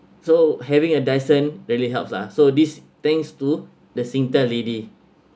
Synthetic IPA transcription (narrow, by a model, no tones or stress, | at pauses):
sohɛvĩŋədajsə̃nɹiəliɦɛlp̚sla̰sodist̪ɛ̃ŋstu | dəsĩŋtəledi